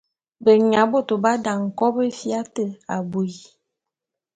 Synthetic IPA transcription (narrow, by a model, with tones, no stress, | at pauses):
bə˨ɲa˨˦bo˦˨to˨ba˦da˨ŋ̩˨kɔ˦bə˦fja˦tə˦˨a˨bu˨i˨